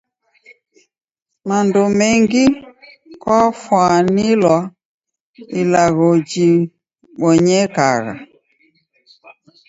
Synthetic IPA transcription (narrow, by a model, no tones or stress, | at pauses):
mandɔmɛŋɡi | kwafwanilwa | ilaɣɔd͡ʒi | ɓɔɲɛkaɣa̰